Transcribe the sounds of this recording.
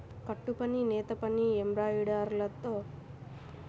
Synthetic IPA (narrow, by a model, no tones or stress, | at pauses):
kɐʈːupɐninɛːt̪ɐpɐniembɾaːiɽaːɾlɐt̪ːoː